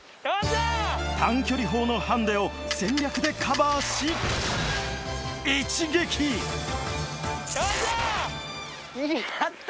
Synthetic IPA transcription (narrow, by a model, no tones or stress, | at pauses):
t̪ãŋkʲo̞ɾʲiɦo̞ːno̞hãnd̪e̞o̞ | sẽ̞ɲɾʲakɯ̟d̪e̞kʰabaɕi | it͡ɕiɡe̞kʲʰi